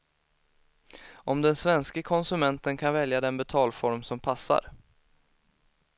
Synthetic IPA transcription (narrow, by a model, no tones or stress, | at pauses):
ʔɔmd̪ɛnsvɛnskəkʰɔnsɵmɛnt̪ənkʰanvɛljad̪ɛnbɛt̪ʰɑːlfɔɾmsɔmpʰasːa̰ɾ